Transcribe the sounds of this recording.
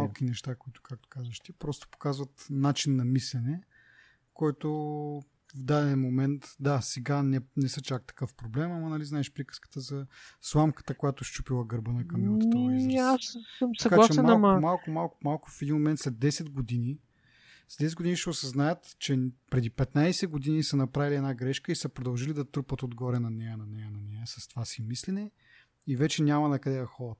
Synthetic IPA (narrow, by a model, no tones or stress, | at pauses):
alˠk̟inɛʃt̪akoit̪ʊ̥kak̚t̪o̥kazəʃt̪ipɾɔst̪o̥po̥kazvɐt̪nat͡ʃinːɐmislɛnɛ | kɔjt̪o | vd̪ad̪ɛnmomɛnt̪d̪asɛɡanɛnɛsət͡ʃak̚t̪ɐ̥kɤfpɾoblɛmɐmɐnɐliznaɛʃpɾikə̥skə̥t̪əzɐslˠamkə̥t̪əkojat̪ʊʃt͡ʃu̥pilˠəɡəɾbənɐkɐmɔt̪ət̪əizassəmsɐɐɡkaat͡ʃɛɛmɐlˠmamalˠkʊmalˠkʊmalˠkʊfɛd̪inmomɛnt̪slɛtd̪ːɛsɛd̪ɡod̪ini | slɛd̪ɛsɛt̪̚ɡod̪iniʃɛʊsɐznajət̪t͡ʃɛpɾɛd̪ipɛt̪najsɛɡod̪inisɐnɐpɾaviliɛdnaɡɾɛʃkəisɐpɾod̪ɐlˠʒilid̪ɐt̪ɾupət̪od̪ɡɔɾɛnɐnɛjənɐnɛjənɐnɛjəsɐst̪ovasimislinɛ | ivɛt͡ʃɛnʲamɐnɐkɐd̪ɛd̪ɐxɔɾɐt̪